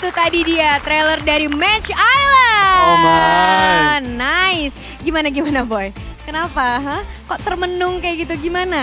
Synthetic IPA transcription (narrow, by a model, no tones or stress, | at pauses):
it̪ut̪adidiat̪ɾelərdaɾimɛt͡ʃajlə | naɪs | ɡimanaɡimanaboj | kənapaːɦə | kɔʔt̪ərmənʊŋkajaɡit̪uɡimana